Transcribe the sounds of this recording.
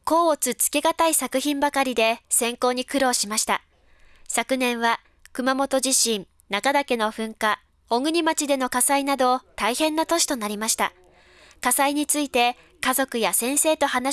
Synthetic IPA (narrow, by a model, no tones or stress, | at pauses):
ko̞ːot͡sɨt͡sɨ̥ke̞ɡat̪aisakɯ̟çĩmbakaɾʲid̪e̞sẽ̞ŋko̞ːɲ̟ikɯ̟ɾo̞ːɕimaɕi̥t̪a̰ | sakɯ̟nẽ̞ɰ̃βa | kɯ̟mamo̞t̪o̞ʑiɕĩn | nakad̪ake̞no̞ɸɯ̟̃ŋka | oɡɯ̟ɲ̟imat͡ɕid̪e̞no̞kasainad̪o̞t̪aihẽ̞nːat̪o̞ɕi̥t̪o̞naɾʲimaɕi̥t̪a̰ | kasaiɲ̟it͡sɨit̪e̞ | kazo̞kɯ̟jasẽ̞ɰ̃se̞ːt̪o̞hana